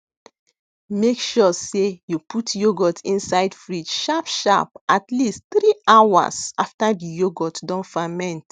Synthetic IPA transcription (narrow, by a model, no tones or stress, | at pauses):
mekʃɔsejupʰutjoɡɔtʰĩnsaɪdfɹitʃapʃa̰p̚atlisttɾiʔawa̰saftadijoɡɔtdɔ̃nfamɛ̃nt